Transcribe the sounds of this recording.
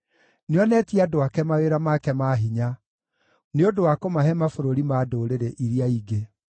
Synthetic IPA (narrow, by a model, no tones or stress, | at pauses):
neɔnɛtiadoakɛmaweɾamakɛmaɦiɲa | neodowakomaɦɛmafoɾoɾimaːdoɾeɾɛʔiɾiaiɡe